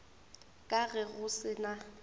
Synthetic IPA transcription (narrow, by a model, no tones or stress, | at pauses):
kʼaɣɛɣʊsɪna